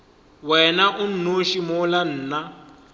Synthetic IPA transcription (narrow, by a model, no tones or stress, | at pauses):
wɛnaʔun̩noʃimɔlan̩ːna